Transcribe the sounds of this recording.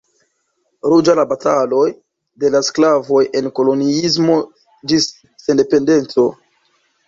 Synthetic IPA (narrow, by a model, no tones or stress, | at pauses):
ɾud͡ʒalabatalo̞j | de̞lasklavo̞je̞nko̞lo̞niis̬mo̞ | d͡ʒisː | ende̞pe̞nde̞nt͡so̞